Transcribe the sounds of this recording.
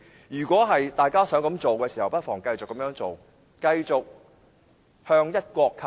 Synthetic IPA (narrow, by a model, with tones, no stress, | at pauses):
jyː˨˩kʷɔː˨˥ɦɐ˨jt̪aː˨jkaː˥sœː˨˥ŋkɐ˨˧˥mt͡ʃo˨wkɛː˧si˨hɐ˨wpɐ˥t̚fɔː˨˩ŋkɐ˧jt͡sʊ˨kːɐ˨˥mjœː˨˧˥ŋt͡so˨w | kɐ˧jt͡ʃʊ˨k̚ | hœː˧ŋjɐ˥t̚kʷɔː˧kʰː